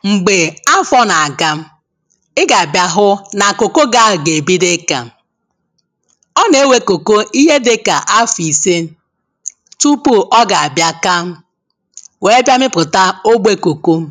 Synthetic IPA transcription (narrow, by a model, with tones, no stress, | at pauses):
ŋ͡m̩˨ɡ͡be˨a˦fɔ˦na˨a˨ɡa˦m̩˦ | ɪ˦ɡa˨a˨bja˦ɦʊ˦na˨ko˨ko˦ɡa˦˨ɡe˨bi˦dɪ˦ka̰˨˦˨ | ɔ˦ne˨˦we˦ko˨ko˦i˦ɦe˦dɪ˨˦ka˨ʔa˦fi˨se˦ | tu˦pu˦ʔɔ˦ɡa˨a˨bja˦ka˦m̩˦ | we˨e˦bʲa˦mɪ˦pʊ˨ta˦o˦ɡ͡bʷe˦ko˨ko˦